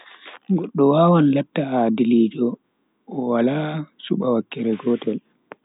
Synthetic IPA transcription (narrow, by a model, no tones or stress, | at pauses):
ɡɔɗːɔwaːwanlɛtːahadiliːd͡ʒɔ | ʔːwalasṵɓawakːɛɾɛɡɔːtɛl